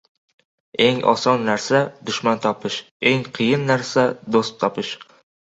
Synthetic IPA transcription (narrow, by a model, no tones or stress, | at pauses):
e̞ŋʔɒ̰sɒnːaɾsad̪ʊʃmant̪ʰɒpʰɪʃ | e̞ŋqʰɨjɪnːaɾsad̪ost̪ʰːɒpɪʃ